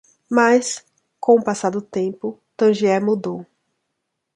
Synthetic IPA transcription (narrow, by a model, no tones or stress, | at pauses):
majs | kõʊ̃pasad̪ʊt̪ẽpʊt̪ɐ̃ʒiɛmud̪ow